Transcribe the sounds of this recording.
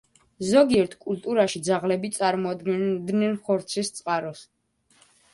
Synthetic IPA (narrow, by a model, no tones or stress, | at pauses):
zɔɡiɛɾt̪ʰkʼult̪ʼuɾaʃid̪zaʁlɛbit̪sʼaɾmɔad̪ɡɛd̪nɛnχɔɾt̪sʰist̪sʼqʼaɾɔs